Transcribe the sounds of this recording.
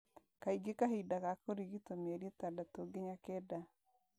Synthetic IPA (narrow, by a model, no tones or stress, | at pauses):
kaiɡekaɦidakakoɾiɣitomeɾietadatoɡeɲakɛda